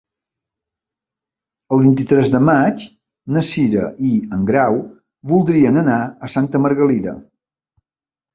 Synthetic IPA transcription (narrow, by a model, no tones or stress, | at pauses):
əlˠβint̪it̪ɾɛzðəmat͡ʃ | nəsiɾə̰ʔiəŋɡɾaw | βulˠd̪ɾiənənaəsant̪əməɾɣəliðə̰